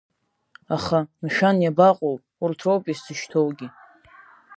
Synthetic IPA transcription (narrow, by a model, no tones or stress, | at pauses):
aχamʃᶣanjabaqʼow | urtʰrowpʼisdɨʃtʰowɡʲi